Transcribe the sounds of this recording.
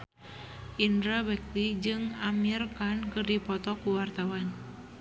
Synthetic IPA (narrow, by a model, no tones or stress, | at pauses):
ʔindɾabɛk̚t̪id͡ʒɨŋamirkankɨrdipɔt̪ɔkuwart̪awan